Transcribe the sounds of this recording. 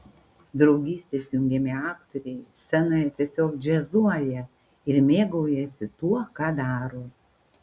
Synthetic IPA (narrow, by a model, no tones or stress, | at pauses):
d̪ɾɒʊɡʲiːsʲt̪ʲeːsjʊŋʲɡʲɛmʲeɑːkt̪ɔɾʲɛɪsʲɛnoːjɛt̪ʲiɛsʲoːkd͡ʒʲɛzuɔjɛ | ɪɾmʲeːɡɐʊjɛsʲɪt̪uɔkɑːd̪ɑːɾoː